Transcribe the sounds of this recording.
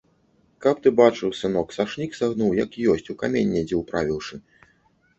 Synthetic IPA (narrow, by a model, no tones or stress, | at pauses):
kap̚t̪ɨbat͡ʂɨwsɨnɔksaʂnʲiksaɣnuwjɐkijɔsʲt͡sʲukamʲenʲːɛd͡zʲɛwpɾavʲiwʂɨ